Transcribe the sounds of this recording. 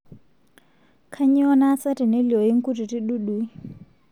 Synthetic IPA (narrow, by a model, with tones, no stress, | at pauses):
kʰa˦ɲi˦ɔ˦na˦sa˦ti˨ne˦li˨ɔ˨ji˦ŋ̩˦ku˦ti˨ti˦ɗu˦ɗu˨˦i˦